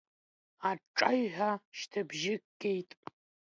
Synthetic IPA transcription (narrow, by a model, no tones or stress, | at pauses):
aʈ͡ʂʼaɥħʷᶣaʃtʰabʒɪkɡ̥ʲe̞jtʼ